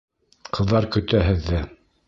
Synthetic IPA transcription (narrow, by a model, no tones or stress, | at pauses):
qʰɤ̆ðːɑɾkɵ̆t̪æɦɘ̆ðːɘ